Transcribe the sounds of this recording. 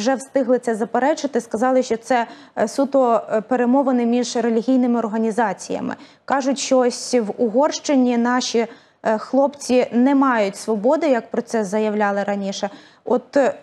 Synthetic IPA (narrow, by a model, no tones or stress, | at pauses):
ʒɛwst̪ɪɦlˠɪt̪sɛzɐpeɾɛt͡ʃɪt̪ɪskɐzɑlˠɪʃt͡ʃɔt̪sɛ | sut̪ɔpeɾemɔʋɐnɛmʲiʒɾelʲiɦʲijnɪmɪɔrɦɐnʲizɑt͡sʲijɐ̰mɪ̰ | kɑʒʊtʲʃt͡ʃɔɔsʲʋʊɦɔrʃt͡ʃenʲinɑʃʲi | xlˠɔpt͡sʲinɛmɑjʊtʲsʋɔbɔd̪ɪjɐk̚pɾɔt̪sɛzɐjɐwlʲɑlˠɪɾɐnʲiʃɛ | ɔt̪